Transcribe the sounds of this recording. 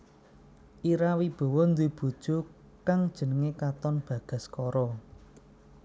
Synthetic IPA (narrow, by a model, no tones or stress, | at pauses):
ʔiɾawib̥o̤wɔnd̪eb̥o̤d̥ʒ̥o̤ | kaŋd̥ʒ̥ə̤nəŋekat̪ɔnb̥ä̤ɡ̥a̤skɔɾɔ